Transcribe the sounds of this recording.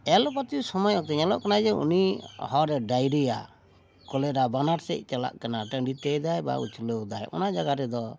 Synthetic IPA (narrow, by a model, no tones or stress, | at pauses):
ɛlɔpat̪jusɔmɔjɔt̪ɛɲalɔ̰ʔkanad͡ʒɛṵnḭɦɔɾɛɖajɾija̰ | kɔlɛɾabanaɾsɛc̚ˀt͡ʃala̰ʔkanaʈəɖit̪ɛjd̪ajba̰ṵt͡ʃʰuləd̪ajʔɔ̰nad͡ʒaɡaɾɛd̪ɔ